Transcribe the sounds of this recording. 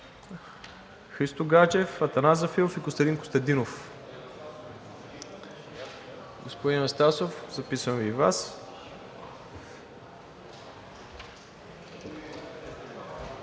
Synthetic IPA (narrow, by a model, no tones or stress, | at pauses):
xɾist̪oɡat͡ʃɛfɐt̪ɐnazɐfiofikʊst̪ɐd̪inkʊ̥st̪ɐd̪inof | ɡospod̪inɛst̪asofzɐpisəmvivas